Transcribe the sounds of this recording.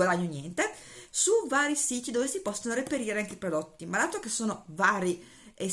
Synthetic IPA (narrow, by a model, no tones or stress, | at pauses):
ad̪aɲːonjɛnt̪esuvaːɾisiːt̪id̪oːvesipɔsːonoɾepeɾiːɾeaŋkeipɾod̪ot̪ːimalaːt̪ɾokesːoːnovaːɾi | e